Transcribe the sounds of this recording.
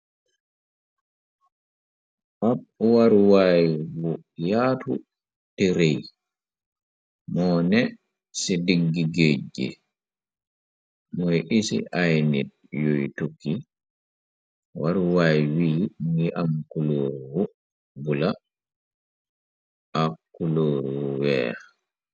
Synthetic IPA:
ʔabwaɾwajwɔ | jaːtṵ | teɾej | mɔːnɛ | sidiɡːiɡed͡ʒːḭ | mɔjʔisḭʔajnid̚ | jojtokːi | waɾwajwiːŋɡiʔamkuloɾuwɔ | bula | ʔakːuloːɾuwɛ̰ː

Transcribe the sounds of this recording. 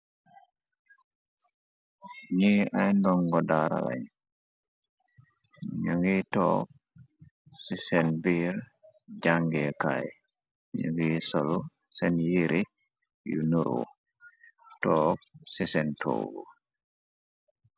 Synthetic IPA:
ɲiajndɔŋɡɔdaɾa̰la̰ɲ | ɲuŋɡiːtɔ̰k̚ | sisɛnbiːɾ | d͡ʒaŋɡɛkaj | ɲṵŋɡiːsɔlu | sɛnjiɾʔi | jṵnuɾṵ | tɔːk̚sisɛntʰo̰ːɡṵ

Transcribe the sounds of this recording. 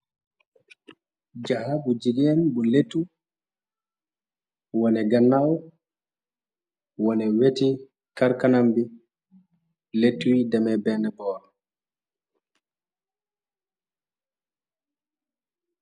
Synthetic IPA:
d͡ʒahabud͡ʒiɡɛnbɔletːu | wɔnɛɡanːaw | wɔnɛweti | kaɾkanambi | letːuwidamɛbɛnɛbɔːɾɔ

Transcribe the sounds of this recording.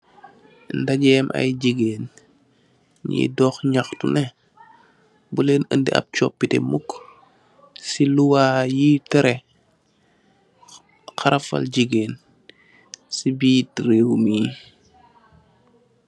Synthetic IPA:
ndaɟɛmʔɐ̰jɟiɡeːn | ɲḭdɔːxɲaxtṵnɛ | buleːnəndiʔɐ̰p̚t͡ʃɔpːitḛmuk | siluwaːjitɛɾe | xaɾɐfɐ̰lɟiɡeːn | sibiːtɾewmiː

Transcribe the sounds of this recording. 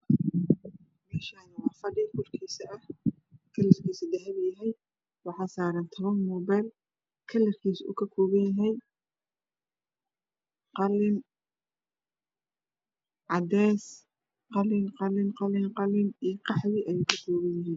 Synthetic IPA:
mɛːʃaːnɐwɑːfɐɖɪkʰʊrkʰiːsɐʔɐh | kʰɐlɛrkʰiːsɐd̪ɐɦɐβjɐɦɛj | wɑħɑːsaːɾɐnt̪ʰɔβɐnmɔːbɛjl | kʰɐlːɛrkʰiːsṵːkʰɐkʰɔːβɐnjɐɦɛj | qɑlɪn | ʕɑd̪ɛːs | qɑlɪnqɑlɪnqɑlɪŋqɑlɪnijqɑħðɪʔɐjeːkʰɐkʰɔːβɐjjɪɦiːn

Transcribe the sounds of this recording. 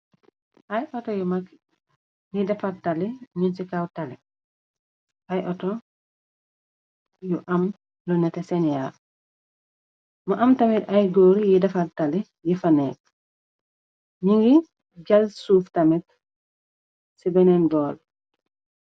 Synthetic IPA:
ʔajʔɔtɔjumak | nidɐfataliɲunsikawtali | ʔajʔɔtɔ | juʔam | lɔnɛtesɛnja | mɐʔɐmtamitajɡoːɾijidɐfatali | jifanɛːk̚ | ɲiŋɡi | ɟalsuːftamɛt̚ | sibɛnɛnɡɔːl

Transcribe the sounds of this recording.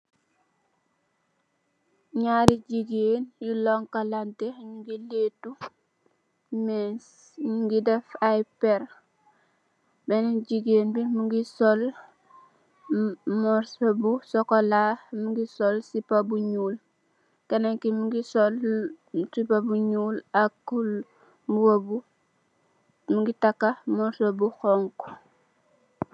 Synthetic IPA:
ɲaːɾiɟiɡeːnjuloŋkalanteɲuŋɡiletu | mes | ɲuɡidɛfajpeɾ | bɛniɟiɡeːnbimuŋɡisol | mɔɾsobusɔkɔlamuŋɡisɔlsipabuɲuːl | kenaŋkimuŋɡisɔl | sipabuɲuːlakːul | buwobu | muŋɡitakːamɔɾsobuxɔŋk

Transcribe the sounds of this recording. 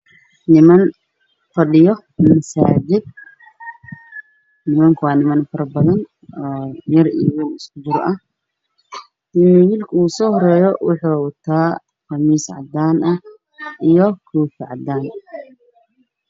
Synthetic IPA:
nɪmɐn | fɐɗɪjɔ | mɐsaːd͡ʒɪd̪̚ | nɪmɐŋkʰɐwɑːnɪmɐnfɐɾɐbɐðɐn | ɔːjɐrḭjwiːlɪskʊd̪ʊɾɐh | wiːlkʰɐuːsɔːhɔɾɛːjɔwʊħuːwt̪ʰaː | qɐmiːsʕɑ̰d̪aːnʔɐ | ʔijɔkʰuːfɪʕɑ̰d̪ːaːn

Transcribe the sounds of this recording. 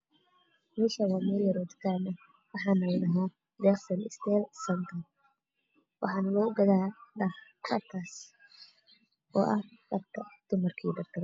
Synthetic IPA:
mɛʃɐwɐmɛljɐɾɔːd̪kʰaːnɐ | wɑħɑːnɐjnɐɦaː | d̪ɛːχsɐnɪst̪ʰɛːlsɐnt̪ʰɐ | wʔɑ̰ħɑːnlɔːʊɡɐðaːɖɐkʰɐt̪ʰːaːs | ɔ̰ːʔɐhɖɐbkʰɐd̪̥ʊmɐrkʰḭːd̪ɐft̪ʰɐɾ

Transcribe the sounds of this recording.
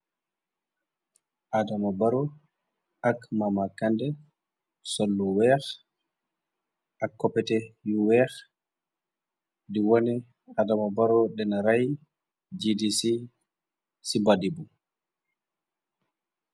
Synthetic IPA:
ʔadamabaɾɔ | akmamakandɛ | solːuwɛx | akːɔpɛtɛjuwɛx | diwoni | adamabaɾɔɗɛnaɾaj | d͡ʒidisi | sibadibu

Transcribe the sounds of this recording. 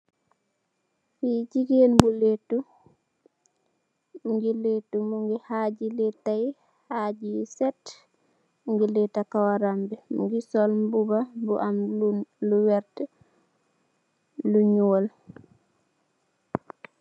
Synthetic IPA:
fid͡ʒiɡenbuletːu | buŋɡiletːumuŋɡihaɟilɛtːai | haɟisɛt | muŋɡilɛtːakawaɾambɛmṵŋɡisɔlmbubabuʔamlunluwɛɾtɛ | luɲuol

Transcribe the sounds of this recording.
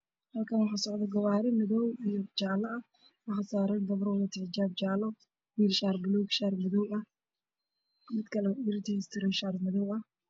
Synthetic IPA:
hɐlkʰɐnwɑħɑːsɔʕd̪ɐɡɐwaːɾɪmɪðɔwijɔt͡ʃaːlɐɐ | wɑχɑsaːɾɐnɡ̪ɐβrwðɐt̪ʰɪʕt͡ʃaːb̚t͡ʃaːlɔ | wiːlʃaːrbɪluɡʃaːrmɐðɔwɐh | mɪd̪kʰɐlɐiɾɪt̪ʰist̪ʰɪɾɛʃaːrmɐðɔwɐh

